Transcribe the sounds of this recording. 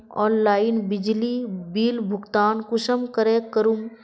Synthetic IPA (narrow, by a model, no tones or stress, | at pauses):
ɔːnlaːɪnbɪd͡ʒlibiːlbʱʊɡt̪aːnkʊʃəmkəɾeːkəɾum